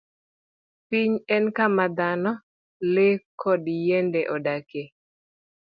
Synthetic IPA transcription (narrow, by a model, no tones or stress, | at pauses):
piɲɛnkamad̪anɔ | lɪkʰɔdjɛndɛʔɔdake